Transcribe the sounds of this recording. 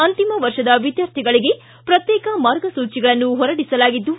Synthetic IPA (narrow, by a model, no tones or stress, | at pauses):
ɐnt̪imɐʋɐɾʂɐd̪ɐʋid̪jaːɾt̪ʰiɡɐɭiɡe̞ | pɾɐt̪jɛːkɐmaːɾɡɐsuːt͡ʃiɡɐɭɐnːuɦɔɾɐɽisɐlaːɡid̪ːu